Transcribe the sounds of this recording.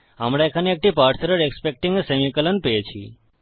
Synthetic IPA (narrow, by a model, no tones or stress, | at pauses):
amɽaekʰaneek̚ʈipaɾt̪ʰəɾəɾekspek̚ʈiŋɡəsemikələnpet͡ʃʰḭ